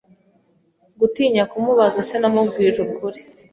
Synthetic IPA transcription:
ɡutiːɲakumuβazasenamuɡwiːʒukuɾi

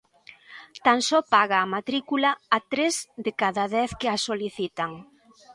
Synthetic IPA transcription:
t̪ansɔpaɣɐːmat̪ɾikulɐːt̪ɾezðɪkaðaðɛθkɪasoliθit̪aŋ

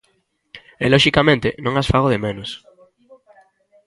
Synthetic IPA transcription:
eloʃikamẽnt̪enõŋasfaɣ̞oðemẽnos

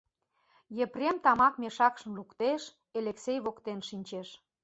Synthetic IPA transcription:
jeprʲemt̪ɑmɑkmeʃɑkʃə̆mlukt̪eʃ | eleksejβokt̪enʃinʲt͡ɕeʃ

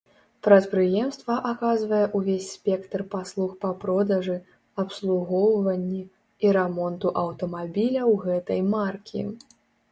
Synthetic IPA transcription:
pɾɐt̪pɾɨjɛmst̪vɐʔakazvɐjɛʔuvʲesʲspʲɛkt̪rpaslˠuxpɐpɾɔd̪ɐʐɨ | ɐpslˠuɣɔwvɐnʲːi | iɾɛmɔnt̪uʔɐwt̪ɐmabʲilʲɐwɣɛt̪ɐjmarkʲʰḭ

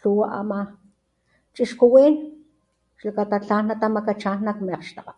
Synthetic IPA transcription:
ɬuwaʔa̰ma | t͡ʃʼiʃkuwiːn | ʃlakat̪at͡ɬanːat̪amakat͡ʃanːakmeqʃt̪aqa

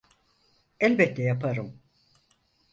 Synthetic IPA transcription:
ɛlʲbɛt̪ːɛjapʰaɾɯm

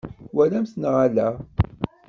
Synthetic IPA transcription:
wælæmθnəʁalæ

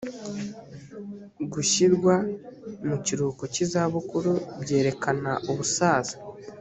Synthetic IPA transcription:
ɡuɕiɾɡwamuciɾukocizaβukuɾubɟe̞ːɾe̞kanaʔuβusaːzḁ

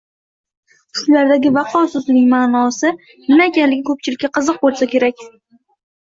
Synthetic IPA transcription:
ʃʊlaɾd̪aɡʲɪvɑqʰɒsʊzɪnɪŋʲmanɒsɪ | nɪmaekʲanlɪɡʲɪkʰɵp̚t͡ʃʰɪlɪkʲːaqʰɨzɨq̚bolˠsakʲʰe̞ɾakʲ

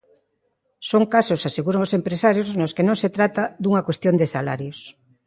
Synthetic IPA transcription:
soŋkasosaseɣuɾoŋosempɾesaɾjoznoskenõŋset̪ɾat̪aðuŋɐkwest̪jõnd̪esala̰ɾjos

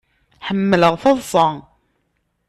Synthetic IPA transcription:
ħəmːələʁθɑðˤsˤɑ

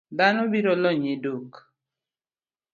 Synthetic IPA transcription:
d̪anobiɾɔlɔɲɪdok

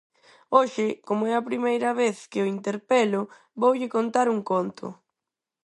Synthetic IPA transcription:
oʃɪkomʊɛɐpɾimejɾɐβeθkɪʊint̪eɾpɛlʊ | βowʎɪkont̪aɾuŋkont̪ʰʊ̰

